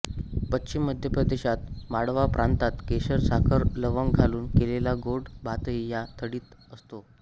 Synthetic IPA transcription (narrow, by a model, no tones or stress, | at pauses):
pətːɕimːəd̪ʱjəpɾəd̪eɕat̪maɽʋapɾant̪at̪keɕəɾsakʰəɾləʋəŋɡɡʱaluːnkelelaɡoɽbʱat̪əijat̪ʰəɽiːt̪əst̪o